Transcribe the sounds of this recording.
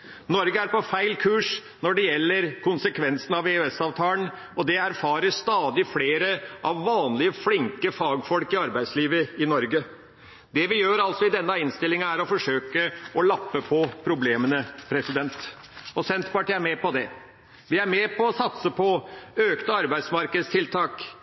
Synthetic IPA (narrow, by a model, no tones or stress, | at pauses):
nɔɾɡəæɾpɔfæɪlkʰʉːʂ | nɔɖɛjɛlːəɾkʊnsəkʰʋɛnsən̩ɑʋeøɛsɑːʋt̪ʰɑːlən | ɔd̪ɛæɾfɑːɾəʂt̪ɑːd̪ɪfleːɾəʔɑʋːɑːnlɪəflɪŋkəfɑːɡfɔlkɪɑɾbæɪd̪sliːʋəɪnɔɾɡə | d̪ɛʋɪjøːɾɑlsɔɪd̪ɛnːəɪnst̪ɪlɪŋɑæɾɔfɔʂøːkəɔlɑpːəpʰɔpʰɾʊbleːmənəpʰɾɛsɪd̪ɛnt̪ | ɔsɛnt̪pɑʈiːæɾmɛpɔd̪ɛ | ʋɪæɾmɛpʰɔːsɑt̪səpʰɔøːkt̪əɑɾbæɪd̪smɑɾkəd̪st̪ʰɪlt̪ʰɑːk